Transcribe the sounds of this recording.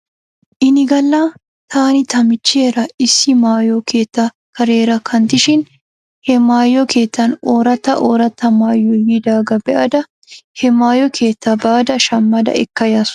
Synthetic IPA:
ʔɪnɪɡɐlːaː | t̪ʰaːnɪt̪ʰɐmɪt͡ʃːeːɾɐɪsɪmaːjokʰeːt̪ːɐ | kɐɾeːɾɐkʰɐnt̪ɪʃɪn | hɛmaːjːɔkʰeːt̪ːɐnoːɾɐt̪ːɐʔoːɾɐt̪ːɐmaːjɔjɪd̪aːɡɐbɛʔɐd̪ɐ | hɛmaːjɔkʰeːt̪ːɐbɐɐd̪ɐʃɐmːɐd̪ɐ̰ʔɛkːɐjaːsʊ̥

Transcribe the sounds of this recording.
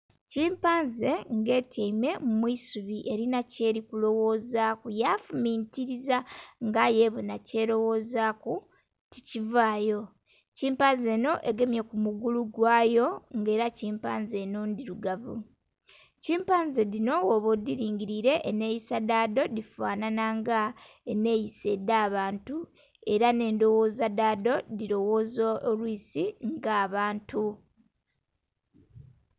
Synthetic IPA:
ciːmpaːnze̞ŋɡe̞ːtʰaime̞mumwisuβiʔe̞ɾinace̞ːɾikulo̞wo̞ːzaːkujafumiːntiɾizaŋɡaje̞βunace̞lo̞wo̞ːzaku | ticivaːjo̞ | ciːmpaːnze̞ːno̞ʔe̞ɡe̞mjekumuɡuluɡwaːjo̞ŋɡe̞ːɾaciːmpa̰ːnze̞nondiɾuɡavṵ | ciːmpaːnzedino̞woβodiɾiːɲɟiɾiɾe̞ʔːne̞jisadaːdo̞difaːnanaŋɡa | ene̞jise̞dːaːβaːntu | e̞ɾane̞ːndo̞woːzadaːdo̞diɾo̞wo̞ːzoolwiːsiŋɡaːβaːntʰu

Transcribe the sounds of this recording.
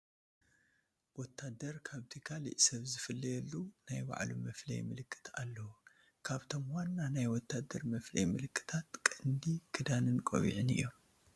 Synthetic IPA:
wɔt̪ʰːad̪ɐɾkʰaβt̪ʰikʰalḭʔsɐβzɨfɨlːɐjɛlːunajba̰ʕlṵmɐflɐ̰jmɨlɨkʰʼːɨ̥t̪ʰa̰lːɐwu | kʰaβt̪ʰo̞mwanːanajwɔt̪ʰːad̪ːɐɾmɐflɐ̰jmɨlɨkʰʼːɨ̥t̪ʰat̪kʼɨnd̪ikʰɨd̪anɨnkʼo̰βḭʕɨnɨ̰jːom

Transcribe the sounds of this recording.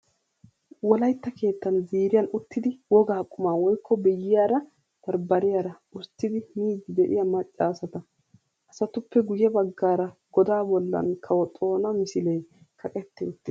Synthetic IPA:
wɔlɐjt̪ːɐke̞ːt̪ːɐnziːɾɪjɐnʊt̪ːɪd̪ɪwɔɡaːkʼːʊmaːwɔjkːɔbɛjːɪjaːɾɐ | d̪̥ɐɾbɐɾɪjaːɾɐ | ʊɾt̪ːɪd̪ɪmiːd̪ɪd̪ɛʔɪ̰jɐmɐt͡ʃʼːaːsɐt̪ɐ | ʔɐsɐt̪ʊpːɛɡʊjɛbɐɡːaːɾɐɡ̥ɔd̪aːbɔlːɐ̰nkʰɐwɔt̪ʼo̞ːnɐmɪsɪleː | kʰɐkʼɛt̪ːɛʊt̪ːɪ

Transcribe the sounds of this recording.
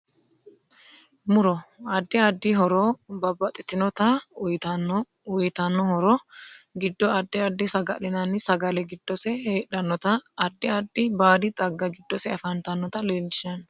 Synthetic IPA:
mʊɾɔɐd̪ːɪɐd̪ːɪɦɔɾɔbɐbːɐt̪ʼɪt̪ɪnɔt̪ɐj | ɔjt̪ɐnːɔhɔɾɔɡɪd̪ːɔɐd̪ːɪɐd̪ːɪsɐɡɐ̰lɪnɐnsɐɡɐlɛɡɪd̪̥ːɔsɛheːɗɐnːɔt̪ɐːd̪ːɪɐd̪ːɪbaːd̪ɪt̪ʼɐɡːɐɡɪd̪ːɔsɛɐfɐnt̪ɐnːɔt̪ɐleːlɐn

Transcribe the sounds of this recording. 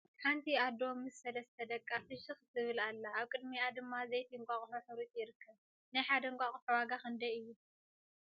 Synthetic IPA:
kʰant̪ʰiad̪omːɨsɐlɐst̪ʰɐd̪ɐkʼːafɨʃɨxt̪ʰɨβɨlalːaːβkʼɨd̪miad̪ɨmːazɐjt̪ʰiŋkʷʼaχʼħuħɨɾit̪ʼjɪɾɨkʰːɐβ | najħad̪ɐŋkʷʼaχʼuħuwaɡakɐnd̪ɐɨjːu

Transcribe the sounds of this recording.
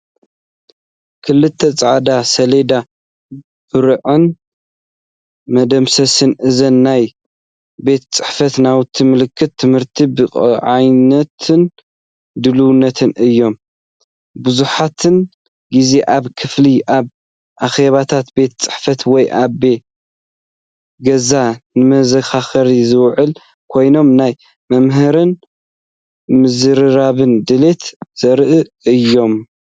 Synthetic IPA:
kʰɨlɨt̪ʰːɐt͡sʼaʕd̪asɐled̪a | b̥ɨɾʕɨn | mɐd̪ɐmsɐsɨnʔɨzɐnːaj | be̞t̪t͡sʼɨħfɐt̪nawt̪ʰɨmɨlɨkʰːɨt̪ʰːɨmhɨɾt̪ʰibɨχʼʕajnɐt̪ʰɨn | d̪ɨluwnːɐt̪ʰɨnʔɨjːo̞m | bɨzuħat̪ʰɨn | ɡize̞ʔaβkʰɨfliʔaβ | ʔaxe̞βat̪ʰat̪be̞t̪t͡sʼɨ̥ħfɐt̪wɔjʔae̞ | ɡɐzanɨmɐzɐxaxɐɾizɨwʕɨl | kʰo̞jno̞mnaj | mɐmɦɨɾɨn | mɨzɨɾɨɾaβɨnd̪ɨle̞t̪z̥ɐɾʔɨ | ɨjːo̞m

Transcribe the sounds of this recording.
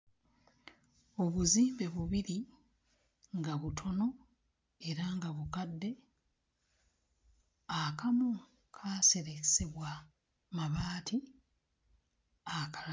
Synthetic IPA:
o̞βuziːmbe̞βuβiɾi | ŋɡaβutʰo̞no̞ | e̞ɾaŋɡaβukadːe̞ | akamu | kʰaːse̞ɾese̞βwa | maβaːtʰi | akal

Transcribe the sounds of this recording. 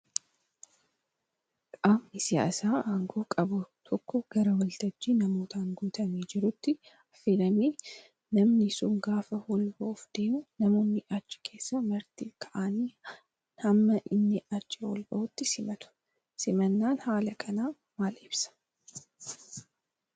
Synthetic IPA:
kʼaːmnɪsɪja̰ːsaːaːŋɡoːkʼɐbʊt̪ʰɔkːɔɡ̥ɐɾɐwɐlt̪ɐd͡ʒːiːnɐmo̞ːt̪ʰɐŋɡuːt̪ʰɐmiːd͡ʒɪɾʊt̪ːɪ | ɐfeːlɐmeː | nɐmnɪsʊŋɡaːfɐhɔlbɐʔʊfd̪̥e̞ːmʊnɐmo̞ːnːɪʔɐt͡ʃːɪ̥kʰe̞ːsːɐmɐɾt̪iːkʰɐʔaːniː | nhɐmːɐʔɪnːɪɐt͡ʃːɐwɔ̰lbɐ̰ʔʊt̪ːɪsɪmɐt̪ʊ̥ | sɪmɐnːaːnhaːlɐkʰɐnaː | maːlɪbsɐ̥

